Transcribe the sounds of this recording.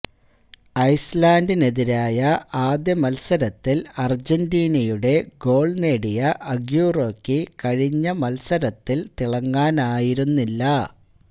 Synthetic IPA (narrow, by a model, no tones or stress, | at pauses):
ɐjslaːndine̞ðiɾaːjɐʔaːd̪jɐmɐlsɐɾɐt̪ːilɐrd͡ʑendiːnɐjuɽe̞ɡo̞ːɭne̞ːɽijɐʔɐɡjuːroːkːikɐɻiɲːɐmɐlsɐɾɐt̪ːilt̪iɭɐŋːaːnaːjiɾunːilːɐ